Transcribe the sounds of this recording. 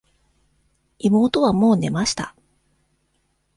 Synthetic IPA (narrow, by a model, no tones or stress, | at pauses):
imo̞ːt̪o̞β̞amo̞ːne̞maɕi̥t̪a